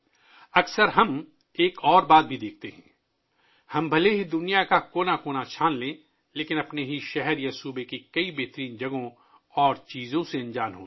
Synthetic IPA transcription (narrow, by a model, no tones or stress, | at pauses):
ɐksəɾɦɐm | eːkɔːɾbaːt̪̚bʱid̪eːk̚ʰt̪eɦɛ̰̃ː | hɐmbʱɐleɦid̪ʊnijakakoːnakoːnat͡ʃʰaːnlẽː | leːkɪ̃nɐpneɦiʃɛɦɛɾjasuːbekikɐibeːɦt̪ɾiːnd͡ʒɐɡõ | ɔːɾt͡ʃiːzõseɐ̃nd͡ʒaːnɦo̰ː